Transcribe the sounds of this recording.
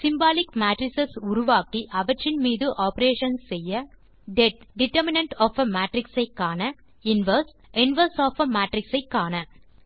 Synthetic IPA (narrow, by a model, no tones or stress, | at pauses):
sɪmbaːlɪkmaːʈɾɪsɐsʊɾʊʋaːkiʔɐʋɐʈrɪnmiːðɯʔaːpɐɾeːʂɐnːɛjːɐ | ɖɛʈ̚ɖɪʈɐɾmɪnɐɳʈɔːfɐmaːʈɾɪksɐɪkːaːnɐ | ɪnʋɐɾs | ɛnʋɐɾsaːfɐmaːʈɾɪksɐɪkːaːnɐ